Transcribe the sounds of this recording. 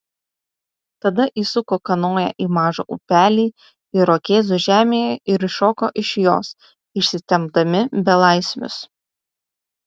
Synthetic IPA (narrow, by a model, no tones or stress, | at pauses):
t̪ɐd̪ɐʔiːsʊkoːkɐnoːjɛ̰ʔiːmɑːʒo̰ːʔṵpʲæːlʲiː | ɪɾoːkʲeːzʊʒʲæːmʲeːjɛʔɪɾɪʃoːkoːʔɪʃjo̰ːs | ɪʃʲsʲɪt̪ʲɛmb̚d̪ɐmʲɪbʲɛlˠɑˑɪsʲmʲʊ̰s